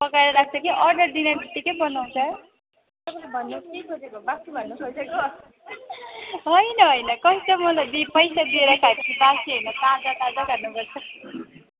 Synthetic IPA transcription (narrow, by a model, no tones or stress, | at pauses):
pʌkaɾʌɾak̚ʰt͡sʰʌkiʔʌrɖʌrd̪inamit̪ːikʌjbʌnaw̃t͡sʰʌ | t̪ʌpalbʱʌnːukekʰod͡zekobasibʱʌnːukʰod͡zeko | ɦʌjnʌɦʌjnʌkʌit͡sʌmʌlajbipʌjsad̪ieɾʌkʰaepʌt͡sʰibasiɦʌjnʌkad͡zʌt̪ad͡zʌɡarnuɡʌrt͡sʰʌki